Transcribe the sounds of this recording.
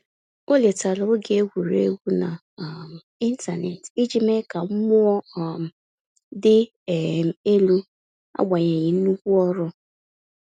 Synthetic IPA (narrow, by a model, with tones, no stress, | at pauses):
o˦le˨ta˨lʊ˨o˦ɡe˨e˦ɡʷu˨ɾḛ˦ɡʷu˦na̰˨ | m̩˨i˦n̩˦ta˨nḛ˨ti˦d͡ʒi˦me˦ka˨ŋ͡m̩˦mʊ˦ɔ˦˨m̩˨ | dɪ˦˨ | e˦lu˦ | a̰˦ɡ͡ba˨ɲe˨ɲɪ˨n̩˦u˦kʷu˦ɔ˦ɾʊ˦